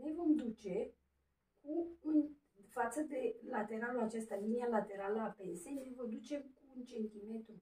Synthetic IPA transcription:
ne̞vo̞md̪ut͡ʃe | kuɨn | fat̪səd̪e̞lat̪e̞ɾalulat͡ʃe̞st̪alinialat̪e̞ɾaləapensenevəd̪ut͡ʃe̞mkuɨnt͡ʃe̞nt̪ime̞t̪ɾu

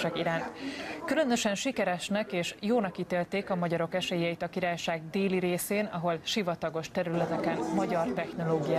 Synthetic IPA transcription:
ɛɡiɾaːnt̪kylø̞nøʃɛnʃikɛɾɛʃnɛkeːʃjoːnɒkit̪eːlt̪eːkɒmɒɟɒɾo̞kɛʃeːjɛit̪ɒkiɾaːjʃaːɡ̚d̪eːliɾeːseːnɒ̰ɦo̞lʃivɒt̪ɒɡo̞ʃt̪ɛɾylɛt̪ɛkɛnmɒɟɒrt̪ɛxno̞loːɡijaː

